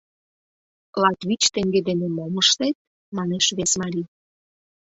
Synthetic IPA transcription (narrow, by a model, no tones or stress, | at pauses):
lɑt̪βit͡ɕt̪eŋɡed̪enemoməʃt̪et̪̚ | mɑneʃβesmɑɾi